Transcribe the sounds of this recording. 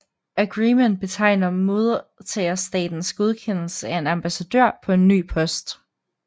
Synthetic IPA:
æɡ̥ʁiːmen̰d̥̚b̥e̝t͡sʰɑ̈ɪnɐmo̝ðˠɐt͡sʰɛːɐsd̥ɛ̰ːd̥n̩sɡ̥o̝ð̞ˠkʰen̰l̩səæe̝nɑmb̥æsæd̥øɐ̰pʰɒ̽e̝nːy̰ːpʰɒ̽sd̥

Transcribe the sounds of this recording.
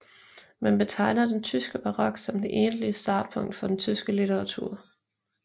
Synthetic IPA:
mænb̥e̝t͡sʰɑ̈ɪ̰nɐd̥ent͡sʰysɡ̥əb̥ɑ̈ʁɒ̽ɡ̥sɒ̽md̥e̝ʔe̝ːnliəsd̥ɑ̈ːd̥̚pʰɔ̽ŋ̰d̥fɒ̽d̥ent͡sʰysɡ̥əlit͡sʰeʁɑ̈t͡sʰuɐ̰

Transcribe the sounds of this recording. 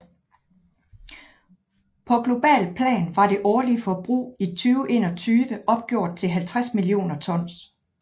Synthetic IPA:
pʰɒ̽ɡ̥lo̝b̥ɛ̰ːlpʰlɛ̰ːnʋɑ̈ɾe̝ʔɒːliəfɒb̥ʁṵːit͡sʰyːʊʔe̝̰ːnɒ̽t͡sʰyːʋəʔɒ̽b̥̚ɡ̥jo̝ɐ̰d̥̚t͡sʰe̝lɦælt͡sʰʁasmilio̝̰ːnɐt͡sʰɒ̽n̰s

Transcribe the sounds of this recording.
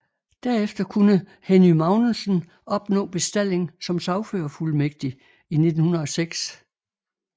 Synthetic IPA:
d̥æɐ̰efd̥ɐkʰunə | henymɑ̈ʊnl̩sn̩ | ɒ̽b̥nɔ̰̽ːb̥e̝sd̥æl̰e̝ŋsɒ̽msɑʊføːɐfulmeɡ̥̚d̥i | ine̝d̥n̩hunɐðˠɒ̽seɡ̥s

